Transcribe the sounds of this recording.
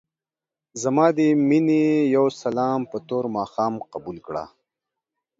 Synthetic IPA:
zɐmɑːd̪iminejɐwsɐlɑːmpət̪oːɾmɑːxɑːmqabulkɽa̰ː

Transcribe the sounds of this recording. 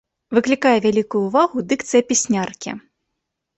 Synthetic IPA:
vɨklʲikajɛvʲalʲikujuːvaɣud̪ɨkt̪sɨjɐpʲisʲnʲarkʲḭ

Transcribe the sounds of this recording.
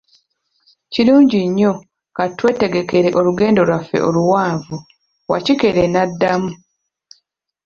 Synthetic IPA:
ciɾuːɲɟiɲːo̞ | katwe̞ːte̞ɡe̞ke̞ɾe̞ʔo̞luɡe̞ːndo̞lwafːḛʔo̞̰luwaːɱvu | wa̰cike̞ɾe̞nadːamu

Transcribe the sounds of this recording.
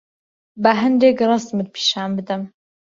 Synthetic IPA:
baɦɨnd̪eːkrˤɑst̪mɨd̪̚pʰi̥ːʃaːnbɨd̪əm

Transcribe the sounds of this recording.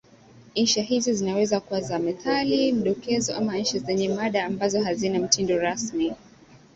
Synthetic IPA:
nɲ̩ʃaɦizɔzinawɛzakuwazamɛθalim̩ɗɔkɛzɔʔamaɲ̩ʃazɛɲɛmaɗaːmbazɔɦazinam̩tindɔɾasmi

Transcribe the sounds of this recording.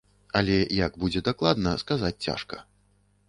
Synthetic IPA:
ɐlʲɛjaɡbud͡zʲɛd̪aklˠad̪nɐskazat͡sʲt͡sʲa̰ʂkɐ̥

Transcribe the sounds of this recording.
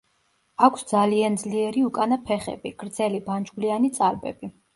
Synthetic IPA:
akʷʰsd̪zaliand̪zliɛɾiukʼanapʰɛχɛ̰biɡ̥ɾd̪zɛliband͡ʒɡlianit̪sʼaɾbɛ̰bi

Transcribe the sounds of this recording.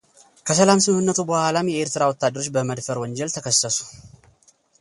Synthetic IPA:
kʰəsəlamsɨmhɨnːət̪ʰubəhalamjɛeɾt̪ɨɾawɔt̪ːad̪ːəɾo̞t͡ʃːbəməd̪fəɾwɔɲd͡ʒɛlt̪ʰəkʰəsːəsu̥

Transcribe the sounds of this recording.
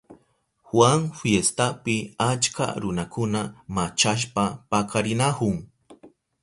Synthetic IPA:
xwaŋfjest̪apɪat͡ʃka̰ɾʊnakʊnamat͡ʃaʃ̬papakaɾɪnahʊŋ

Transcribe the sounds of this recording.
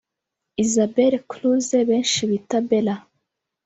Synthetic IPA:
izabeɾekluzeβeːnʃiβitabela

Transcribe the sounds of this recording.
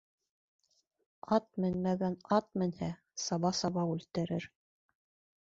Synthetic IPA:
ɑt̪̚mɘnmæɡænɑt̪̚mɘ̆nhæ | sɑβɑsɑβɑwʉlt̪ɘ̆ɾɘɾ

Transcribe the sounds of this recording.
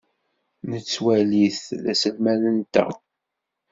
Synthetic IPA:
nət͡sːwæliθðæ̰səlmælənt̪ːə̰

